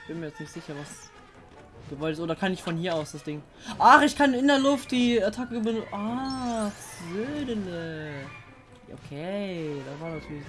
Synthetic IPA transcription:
b̥ɪnmiːɐjɛt͡stnɪçtz̥ɪçɐvas | ɡ̥əvɔltɪsʔoːdɐkʰanɪçfɔnhiːɐaʊsd̥asd̥ɪŋ | ʔaχɪçkʰanɪndeɐlʊft̚d̥iːaɐtʰakəɡbənʔa | zøːdənə | ʔo̰kʰed̥avaːɐnatʰyːɐlɪç

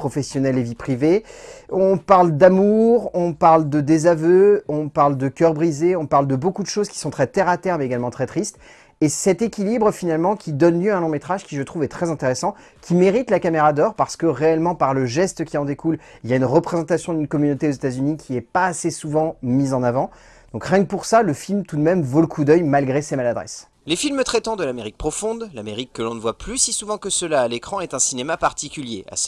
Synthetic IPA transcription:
pχɔfɛsjɔnɛlevipχiveɔ̃paʁld̪amuʁɔ̃paʁld̪əd̪ezavøɔ̃paʁld̪əkʲœʁbʁizeɔ̃paʁld̪əbokud̪əʃozkʲi̥sɔ̃t̪χɛt̪ɛʁat̪ɛʁmɛeɡalmɑ̃t̪χɛt̪χist̪ | esɛt̪ekʲilibʁəfinalmɑ̃kʲid̪ɔnljøɛ̃lɔ̃met̪χaʒkʲiʒət̪χuvɛt̪χɛzɛ̃t̪eʁesɑ̃ | kʲimeʁit̪lakameʁad̪ɔʁpaʁsə̥kəʁeɛlmɑ̃paʁləʒɛst̪kʲiɑ̃d̪ekuliljaynʁəpχezɑ̃t̪asjɔ̃d̪ynkɔmynot̪eozet̪azynikʲʰiɛpaːsesuvɑ̃mizɑ̃navɑ̃ | d̪̥ɔ̃kʁjɛ̃puʁsaləfilmt̪ud̪mɛmvoləkʰud̪œjmalɡʁesemalad̪ʁɛ̰s | lefilmət̪χɛt̪ɑ̃d̪əlameʁik̚pχɔfɔ̃d̪lameʁikːəlɔ̃nəvwaplysisuvɑ̃kəsəlaːlekχɑ̃ɛt̪ɛ̃sinemapaʁt̪ikʲyljḛa̰s

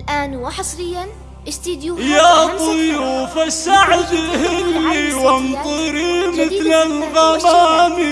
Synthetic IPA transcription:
lʔaːnwaħɑsˤɾɪjːan | ʔɪst̪iːd̪jujaːt̪ˤʊjuːfasaʕd̪hɪlːiwant̪ˤɨɾimɪθlalɣamaːm

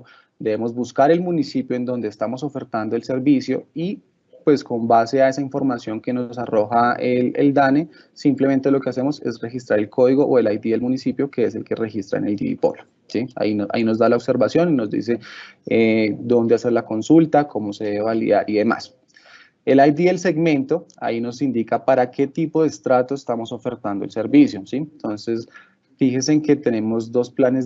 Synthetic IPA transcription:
d̪e̞βemo̞zbuskaɾe̞lmunisipjo̞e̞nd̪o̞nd̪eːst̪amo̞so̞fe̞ɾt̪and̪oe̞lse̞ɾbisjo̞i | pwe̞sko̞mbase̞ae̞saiɱfo̞ɾmasjo̞ŋke̞no̞saro̞xaelḛld̪ane̞ | simple̞ment̪e̞lo̞keas̬e̞mo̞se̞̰sre̞xist̪ɾaɾe̞lko̞ðiɣo̞ʔoe̞lajt̪iðelmunisipjo̞ke̞ese̞lke̞re̞xist̪ɾa̰ḛneld̪ḭḭpo̞̰lo | sia̰ina̰ino̞zd̪alaobse̞ɾbasjo̞nino̞zd̪ḭs̬eed̪o̞nd̪ease̞ɾlako̞nsult̪akʰo̞mo̞seðeeβalia̰ɾʔiðe̞ma̰s | e̞lajd̪iðelse̞ɡmẽ̞nt̪o̞a̰ino̞sind̪ikapaɾake̞t̪ipo̞ðest̪ɾat̪o̞est̪amo̞so̞fe̞ɾt̪and̪oelse̞ɾbisjosint̪o̞nse̞s | fixes̬eːŋke̞t̪e̞ne̞mo̞zd̪o̞splanez

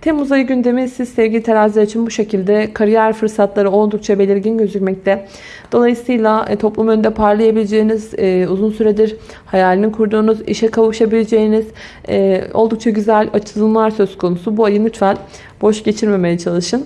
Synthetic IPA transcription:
t̪ʰɛmuzajɯɟynd̪e̞misizsɛvɟʲilʲit̪ʰeɾazlʲɛɾit͡ʃʰinbuʃe̞cʰilʲd̪ɛkʰaɾijæɾfɯɾsat̪lˠaɾɯo̞lˠd̪uk̚t͡ʃʰabe̞lʲiɾɟinɟø̞zycmɛc̚lʰʲɛ | d̪̥o̞lˠajɯsɯjlʲˠat̪ʰo̞plˠumønnd̪ɛpʰaɾlˠajabilʲed͡ʒe̞jiniz̥ːuzunsyɾed̪iɾ | hajaːlʲininkʰuɾd̪uːnuzḭʃɛkʰavɯʃabilʲed͡ʒe̞jiniz̥ɛːo̞lˠd̪uk̚t͡ʃʰaɟyzælʲat͡ʃʰɯlˠɯlˠmlˠaɾsø̞zkʰo̞nusubuajɯnut͡ʃvalʲ | bo̞ʃɟe̞t͡ʃʰiɾme̞me̞jɛt͡ʃʰalˠɯʃɯn

